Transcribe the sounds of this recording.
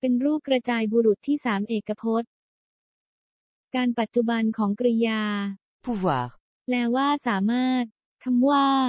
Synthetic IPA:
pe˧nɾuː˥˩kɾa˧t͡ɕaː˧jbu˧ɾu˨˩t̪ʰːiː˥˩saː˩˦mʔeː˨˩kːa˧pʰo˦˥t̪̚ | kaː˧npa˨˩t̪̚t͡ɕu˨ba˧nkʰɔː˩˦ŋkɾa˧jaː˧ | pʰu˧˩wa̰ː˨˩k̚ | lɛː˦˥waː˥˩saː˩˦maː˥˩t̪̚ | kʰa˧mwaː˥˩

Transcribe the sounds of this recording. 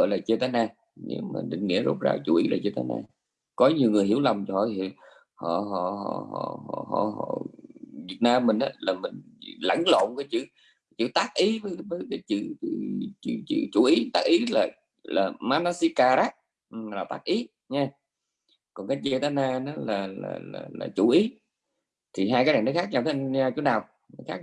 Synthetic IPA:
ə̰˧˨laː˨˩t͡ɕə˧t̪aː˨˦jnaː˧˩ | nḛ˨˧˦wma̰ː˨˩ɗḭ˧˨ŋ̟ŋḭ˧˥əzo̰˦˥p̚za̰ː˧t͡ɕu˨˦ʔi˨˦laː˨˩t͡ɕə˧t̪aː˨˦jna̰ː˧˩ | kɔ˨˦ɲi˨˩əwŋɨ˨˩əjhi˧˩˥wla˨˩wŋ͡mt͡ɕɔ˧˦hɔ̰˧˨i˧˨˩ | hɔ̰˧˨ɦɔ̰˧˨ɦɔ̰˧˩hɔ̰˧˩hɔ̰˧˩hɔ̰˧˨ɦɔ̰˧˩˨vi˨˩ət̚naː˧mːï˨˩ŋ̟ʔaː˨˦laː˨˩mï˨˩ŋlə̰˧˥jŋlo̰˧˨nkaː˨˦jt͡ɕɨ̰˧˥˨ | t͡ɕɨ̰˧˥t̪aː˦˥k̚ʔi˨˦vəː˨˦jvəː˨˦jkaː˨˦jt͡ɕɨ̰˧˨t͡ɕɨ˧˨t͡ɕɨ̰˧˨t͡ɕɨ̰˧˩t͡ɕu˧˩ʔi˨˦t̪aː˦k̚ʔi˨˦laː˨˩ | laː˨˩maː˨˧na˧si˧kaː˧˩ɾa˦˥t̚ | laː˨˩t̪aː˦˥k̚ʔi˨˦ | ɲaː˧ | kɔ˨˩nkaː˨˦jt͡ɕi˧t̪aː˨˦naː˧nɔ˨˦laː˨˩la̰ː˨˩la̰ː˨˩laː˨˩t͡ɕu˧˦ʔi˨˦ | t̪ʰi˨˩ɦaː˧jkaː˦jna˨˩nɔ˨˦jxaː˦˥k̚ɲa˧wt̪ʰe˧ɲaː˧t͡ɕu˨˦naː˨˩w | nɔ˧˨˦jxaː˦˥k̚

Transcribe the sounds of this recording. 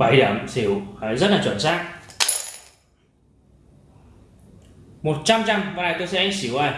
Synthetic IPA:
ɓa˧˩jɗaː˧˩msi˨˩˦whaː˨˦jzə˦˥t̚laː˨˩t͡ɕwə̰˧˩nsaː˦˥k̚ | mo˨˩t̚t͡ɕa˧mt͡ɕa˧mvaː˨˧˩jt̪o˧jsɛ̰˧˥ʔa˧ŋ̟si˨˦wʔaː˨˧˩j

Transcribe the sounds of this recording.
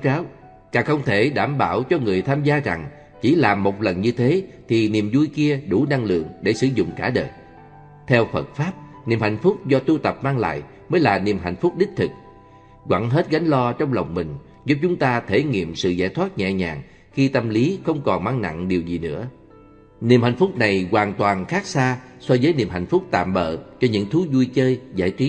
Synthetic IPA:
kaː˨˦w | kaː˨˩xə˧wŋ͡mt̪ʰe˧˩ɗaː˧˩mɓaː˧˩wt͡ɕɔ˧ŋɨ˨˩əjt̪ʰaː˧mzaː˧za˨˩ŋ | t͡ɕi˧˩laː˨˩mːo˨˩t̚lə˨˩nɲɨ˧t̪ʰe˨˦t̪ʰi˨˩ni˨˩mzu˧jki˧əɗu˧˩na˧ŋlɨ̰˧˨əŋɗe˧˩sɨ˧˩˦zʊ̰˧˨ŋ͡mkaː˧˩ɗə̰ː˨˩j | t̪ʰɛ˧wfə˨˩t̚faː˦˥p̚ni˨˩əmha˧˨jŋ̟fʊ˦˥k͡p̚zɔ˧t̪u˧t̪ə˨˩p̚maː˧ŋla̰ː˧˨j | məː˨˦jlaː˨˩ni˨˩əmɦa̰˧˨jŋ̟fʊ˦˥k͡p̚ɗï˦˥k̟̚t̪ʰɨ˨˩k̚ | ɣwa̰ː˧˩ŋɦe˦˥t̚ɣa˨˦ŋ̟lɔ˧t͡ɕɔ˧wŋ͡mlə˨˩wŋ͡mmï˨˩ŋ̟ | zu˦˥p̚t͡ɕʊ˨˦ŋ͡mt̪aː˧t̪ʰe˧˩ŋḭ˧˨əmsɨ̰˧˨zaː˧˩jt̪ʰwa˦˥t̚ɲɛ̰˧˨˩ɲaː˨˩ŋ | xi˧t̪ə˧mli˨˦xə˧wŋ͡mkɔ˨˩nmaː˧ŋna̰˧˨ŋɗi˨˩wzi˨˩nɨ̰˧˥ə | ni˨˩əmha̰˧˨jŋ̟fʊ˦˥k͡p̚na˨˩jɣwaː˨˩ŋt̪waː˨˩nxaː˦˥k̚saː˧swɔ˧zəː˨˦jni˨˩əmɦa̰˨˩jŋ̟fʊ˦˥k͡p̚t̪a̰ː˧˨mɓə̰ː˧˨t͡ɕɔ˧ɲɨ̰˧˥ŋt̪ʰu˨˦zu˧jt͡ɕəː˧jza̰ː˧˩jt͡ɕi˦˥

